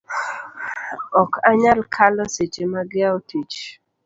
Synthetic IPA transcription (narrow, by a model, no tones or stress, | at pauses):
ɔkʰaɲalkʰalɔset͡ʃemaɡɪaɔtʰit͡ʃ